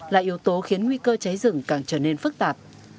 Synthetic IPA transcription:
laː˨˩ʔi˨˦əwt̪o˨˦xi˨˦ənŋwi˧kəː˧t͡ɕa˨˦jzɨ̰˧˩ŋkaː˧˩ŋt͡ɕəː˧˩ne˧nfɨ˦˥k̚t̪aː˨˩p̚

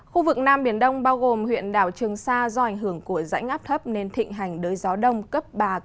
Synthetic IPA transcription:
xu˧vɨ˨˩k̚naː˧mɓi˧˩ənɗə˧wŋ͡mɓaː˧wɣo˨˩mhwḭ˧˨ənɗaː˧˩wt͡ɕɨ˨˩əŋsaː˧zɔ˧ʔa˧˩jŋ̟ɦɨ˧˩əŋku˧˩əza̰˧˥jŋ̟ʔaː˦˥p̚t̪ʰə˦˥p̚ne˧nt̪ʰḭ̈˧˨ŋ̟ɦa˨˩jŋ̟ɗəː˨˦jzɔ˨˦ɗə˧wŋ͡mkə˦˥p̚ɓaː˨˩

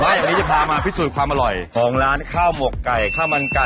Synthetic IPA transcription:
maː˦˥jaː˨˩ŋniː˦˥t͡ɕa˨˩pʰaː˧maː˧pʰiː˦˥˩suː˨˩t̪̚kʰwaː˧mʔa˧ɾɔ˨˩jkʰɔː˩˦ŋɾaː˦˥nkʰaː˥˩wmo˨˩kːa˨˩jkʰaː˥˩wma˧nka˧

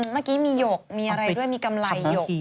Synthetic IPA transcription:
maː˥˩kiː˦˥miː˧joː˨˩k̚miː˧ʔa˧ɾa˧jdu˥˩əjmiː˧ka˧mla˧jːoː˨˩

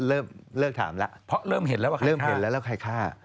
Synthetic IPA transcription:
lɤː˥˩mlɤː˥˩k̚t̪ʰa̰ː˩˦mla˦˥ʔpʰɔ˦˥ɾɤː˥˩mɦe˨˩˦nlɛ˦˥wa˥˩ɾɤː˥˩mɦe˨˦˩nlɛ˦˥wlɛː˦˥˩kʰa˧jkʰaː˥˩

